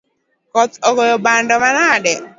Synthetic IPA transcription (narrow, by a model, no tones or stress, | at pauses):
kɔt̪ɔɡɔjɔbandɔmanaːdɛ